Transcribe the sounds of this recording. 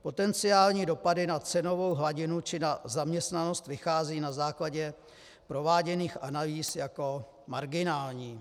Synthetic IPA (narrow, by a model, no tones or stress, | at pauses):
po̞t̪ɛnt͡sɪaːlɲiːdo̞padɪnat͡sɛno̞vo̞wɦlaɟɪnut͡ʃɪnazamɲɛst̪nano̞st̪vɪxaːziːnazaːklaɟɛ | pɾo̞vaːɟɛniːxʔanaliːsjako̞ | maɾɡɪnaːlɲiː